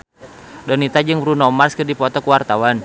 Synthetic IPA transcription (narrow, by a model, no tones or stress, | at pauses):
dɔnit̪ad͡ʒɨŋbɾunɔmarskɨrdipɔt̪ɔkuwart̪awan